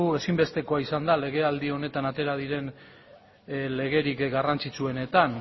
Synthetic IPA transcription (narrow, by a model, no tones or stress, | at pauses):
ue̞simbe̞st̪e̞ko̞aisand̪ale̞ɣ̞e̞ald̪io̞ne̞t̪anat̪e̞ɾað̞iɾe̞n | le̞ɣe̞ɾikɡarant͡sit͡sue̞ne̞t̪an